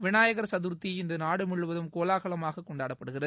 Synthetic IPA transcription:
ʋɪɳaːjɐɣɐɾsɐðuɾt̪ːiɪnd̪ɐnaːɽɯmɪɭɯʋɐðɯmkoːlaːɣɐɭɐmaːɣɐkːɔɳɖaːɽɐppːɐɽɯɣɪrɐð

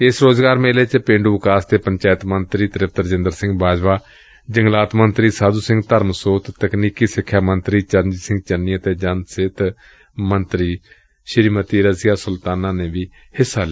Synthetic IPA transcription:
ɪsɾoːzɡaːɾmeːleːt͡ʃpẽːɳɖuːʋɪkaːst̪eːpəɲt͡ʃaːjt̪mənt̪ɾiːt̪əɾɪp̚t̪əɾəd͡ʒɪ̃nd̪əɾsɪ̃ŋɡ̚baːd͡ʒʋaː | d͡ʒəŋɡlaːt̪mənt̪ɾiːsaːd̪uːsɪ̃ŋɡt̪əɾmsoːt̪t̪əkniːkiːsɪkʰːjaːmənt̪ɾiːt͡ʃənd͡ʒsɪ̃ŋɡ̚t͡ʃənːiːət̪eːd͡ʒənsɪt̪ | mənt̪ɾiː | ʃɪɾiːmət̪iːɾəsɪjaːsʊlt̪aːnãːnẽːʋiː | hɪsːaːl

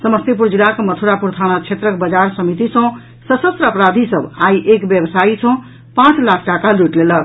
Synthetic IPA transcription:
səməst̪ip̬uɾd͡ʒilːakmət̪ʰuɾapuɾt̪ʰanat͡ʃʰet̪ɾəkbəd͡ʒaɾsəmit̪isə̃ | səsəst̪ɾəəpɾad̪ʱisəbaiʔekbjebsait͡ʃʰə̃ | pãt͡ʃʰlakʰʈakaluʈlelək

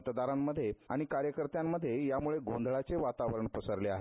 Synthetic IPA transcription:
t̪d̪aɾamːəd̪ʱːjea̰ɽ̃ikaɾjəkəɾt̪jamːəd̪ʱːjejamuɭeɡond̪ʱɭat͡seʋat̪aʋəɾəɳpəsəɾleaɦe

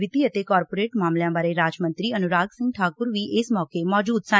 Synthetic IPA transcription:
ɪt̪iət̪ekɔːɾpoːɾeːʈmaːmljãːbaːɾeɾaːd͡ʒmə̃nt̪ɾiɐnʊɾaːɡsɪ̃ŋɡ̚ʈʰaːkʊɾʋiʔɪsmɔːkemɔːd͡ʒuːd̪sã

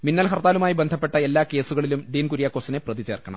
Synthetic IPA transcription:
minːɐlɦɐrt̪aːlumaːjibend̪ʱɐpːe̞ʈːɐe̞lːaːke̞ːsuɣɐɭilumɖiːnkuɾijakːoːsine̞prɐðit͡ɕe̞ːrkɐɳɐ̰m

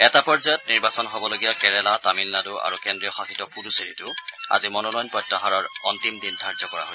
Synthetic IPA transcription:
ɛtapɔɹzɔjɔtniɹbasɔnɦobɔloɡijakɛɹɛlatamilnadʊa̰ɹukɛndɹijɔxaxitɔpuduseɹitʊa̰zimɔnɔnɔjnpɔjtɹɔɦaɹɔɹɔntimdindʱaɹzɔkɔɹa̰ɦo

